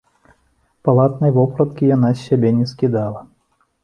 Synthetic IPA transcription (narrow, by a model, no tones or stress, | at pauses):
palˠat̪nɨjvɔpɾɐt̪̚kʲijanasʲːabʲɛnʲɛskʲid̪alˠɐ